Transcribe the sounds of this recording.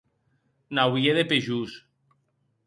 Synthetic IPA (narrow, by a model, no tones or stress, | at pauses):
nawjeðepeʒus